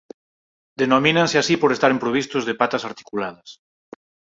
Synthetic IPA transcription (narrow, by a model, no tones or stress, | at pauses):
d̪enomĩnanseasipoɾest̪aɾempɾoβ̞ist̪ʊzðepat̪asaɾt̪i̥kulað̞ɐs